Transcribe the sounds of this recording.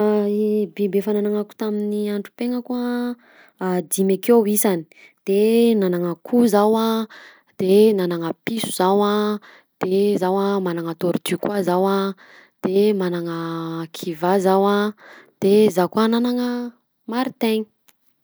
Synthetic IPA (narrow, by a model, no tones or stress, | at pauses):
bebefananaŋaku̥t̪aminiaɳɖ͡ʐu̥peŋəkuə | d̪imakewisani̥ | d̪̥enanaŋəkʰuzawa | d̪̥enanaŋəpisu̥z̥awa | d̪̥ezawamanaŋat̪oɾit̪ykwazawa | d̪̥emanaŋəkʰivazawad̪̥ezakuananaŋə | maɾit̪eɲi̥